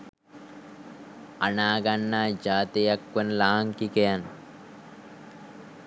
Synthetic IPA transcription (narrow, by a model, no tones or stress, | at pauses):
ɐnaːɡɐnːaːd͡ʒaːt̪ejɐkːɐnlaːaŋkikejɐn